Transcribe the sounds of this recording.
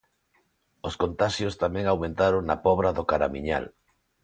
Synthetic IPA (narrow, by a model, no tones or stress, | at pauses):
oskont̪aʃjost̪amɛ̃ŋawmẽnt̪aɾoŋnapɔβɾaðokaɾamiɲa̰l